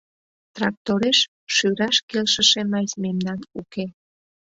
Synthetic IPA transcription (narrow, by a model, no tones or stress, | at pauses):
t̪rɑk̚t̪oɾeʃ | ʃyɾɑʃkelʃəʃemɑsmemnɑnuke